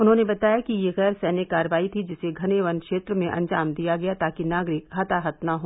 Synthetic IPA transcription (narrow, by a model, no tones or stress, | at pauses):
ʊnɦõːnebɐt̪aːjakijeɣɛːɾsɛːnɪkːaːɾʋaːit̪ʰid͡ʒɪseɡʱɐneːʋɐnkʃeːt̪ɾəmẽʔɐ̰̃nd͡ʒaːmd̪ijaɡɐjat̪aːkinaːɡɾɪkɦɐt̪aɦɐt̪naɦoː